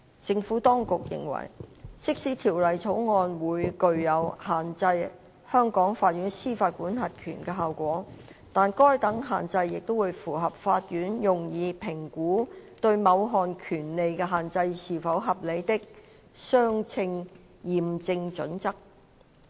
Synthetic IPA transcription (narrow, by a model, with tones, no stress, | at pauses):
t͡sɪ˧ŋfuː˨˥t̪ɔː˥ŋkʊ˨k̚jɪ̰˨˩ŋwɐ̰˨˩jsɪ˥k̚siː˨˥t̪ʰiː˨˩wlɐ˨jt͡sʰo˨˥wŋɔː˧nwuː˨˧jkɵ˨ɥjɐ˨˧whaː˨nt͡sɐ˧j | hœː˥ŋkɔː˨˥ŋfaː˧t̚jyː˨˥nsiː˥faː˧t̚kuː˨˥nɦɐ˨t̚kʰy̰ː˨˩nkɛ˧ɦaː˨wkʷɔː˨˥t̪aː˨nkɔː˥jt̪ɐ˨˥ŋɦa̰ː˨nt͡sɐ˧jːɪ˨k̚t̪o˥wuː˨˧jfuː˨˩ɦɐ˨p̚faː˧t̚jyː˨˥njʊ˨ŋjiː˨˧pʰɪ˨˩ŋkuː˨˥t̪ɵ˧ɥmɐ˨˧wɦɔː˨nkʰyː˨˩nle˨jkɛː˧ɦaː˨˩nt͡sɐ˧jsiː˨˩fɐ˨˥wɦɐ˨p̚le˨˧jt̪ɪ˥k̚ | sœː˥ŋt͡sʰɪ˧ŋ | jiː˨˩mt͡sɪ˧ŋt͡ʃɵ̰˨˥nt͡sɐ˥k̚